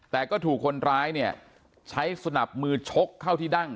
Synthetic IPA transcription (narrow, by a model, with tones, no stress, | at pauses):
t̪ɛː˨˩kɔː˥˩t̪ʰuː˨˩kʰːo˧nɾaː˦˥jni˥˩ɐ | t͡ɕʰa˦˥jsa˧na˨˩p̚mɯː˧t͡ɕʰo˦˥kʰːa˥˩wt̪ʰiː˥˩da˥˩ŋ